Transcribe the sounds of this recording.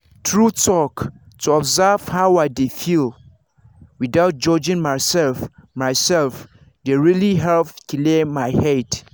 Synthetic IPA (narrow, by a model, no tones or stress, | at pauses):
tʰɹutʰɔk | tʰuɔbzav̥haʊadefil | widaʊt̚d͡ʒɔd͡ʒɪ̃ŋmasɛlfmaɪsɛlf | deɹiliɦɛlpkʰilemaɪhɛd